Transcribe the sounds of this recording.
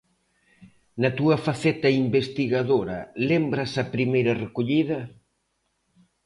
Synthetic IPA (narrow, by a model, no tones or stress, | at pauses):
nɐt̪uɐfaθɛt̪ɐimbest̪iɣaðoɾɐ̰lembɾɐsɐpɾimejɾɐrekoʎiðɐ